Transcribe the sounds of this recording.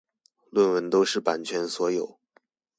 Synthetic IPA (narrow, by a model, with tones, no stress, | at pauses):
lwə˥˩nwə˧˥nt̪o˥ʊʂɻ̩˥˩pa˨˩nt͡ɕʰɥɛ˧˥nswɔ˧˥jo˨˩˦ʊ